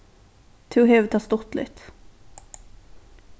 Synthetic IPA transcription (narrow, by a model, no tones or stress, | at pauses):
t̪ʰʉːɦeːvt̪ʰɑst̪ɔt̪lɪ̰t̪